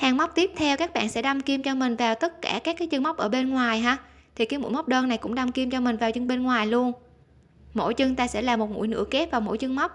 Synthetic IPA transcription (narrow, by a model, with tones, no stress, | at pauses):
haː˨˩ŋma˦˥wk͡p̚t̪i˦˥p̚t̪ʰɛ˧wkaː˦˥k̚ɓa̰ː˧˨nsɛ̰˧˥ɗa˧wmki˧əmt͡ɕɔ˧mï˨˩ŋ̟vaː˨˩wt̪ə˦˥t̚kaː˧˩kaː˦˥k̚ːaː˨˦jt͡ɕɨ˧ŋma˦˥wk͡p̚ʔəː˧˩ɓe˧nŋwaː˨˩jɦaː˧ | t̪ʰi˨˩kaː˨˦jmṵ˧˥jma˦˥k͡p̚ɗəː˧nːa˨˩jkʊ̰˧˥ŋ͡mɗa˧wmki˧əmt͡ɕɔ˧mï˨˩ŋ̟vaː˨˩wt͡ɕɨ˧ŋɓe˧nŋwaː˨˩jlu˧ən | mo̰˧˥jt͡ɕɨ˧ŋt̪aː˧sɛ̰˧˥laː˨˩mo˨˩t̚ŋṵ˧˩˥jnɨ̰˧˥əke˦˥p̚vaː˨˩wmo̰˧˥˦jt͡ɕɨ˧ŋma˦˥wk͡p̚